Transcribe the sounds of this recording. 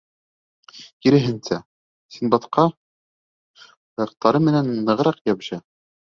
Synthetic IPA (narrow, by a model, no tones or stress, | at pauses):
kiɾɘ̆ɦɘ̆nsæ | sinbɑt̪qɑ | jɤq̚t̪ɑɾɤmɘ̆nænːɤ̆ʁɾɑqjɑbʑɑ